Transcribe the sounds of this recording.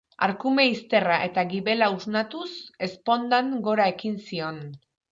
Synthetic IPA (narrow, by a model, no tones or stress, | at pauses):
a̰ɾkume̞ist̪e̞raʔe̞t̪aɣiβe̞lauznat̪use̞spo̞nd̪aŋɡo̞ɾae̞kinsio̞n